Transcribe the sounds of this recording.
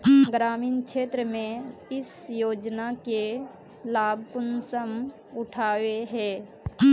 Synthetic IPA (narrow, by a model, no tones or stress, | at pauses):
ɡɾaːmiːnkʃʰeːt̪ɾəmẽɪsjoːd͡ʒnake | laːbʱkʊnsəm | ʊʈʰaːweɦɛː